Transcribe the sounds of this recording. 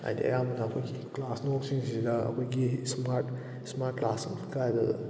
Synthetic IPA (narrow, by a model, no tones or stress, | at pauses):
a̰jd̪ḭɐ̰jamɐnaɐkʰojɡiklasnɔksiŋzidaɐ̰kʰojɡismaɾt | smat̚klasɯŋkajdɯ